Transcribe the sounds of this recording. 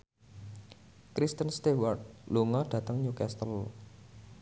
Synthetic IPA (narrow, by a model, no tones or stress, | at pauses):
kɾist̪ənst̪ewart̪̚luŋɔɖ̥ä̤t̪əŋɲukɛst̪əl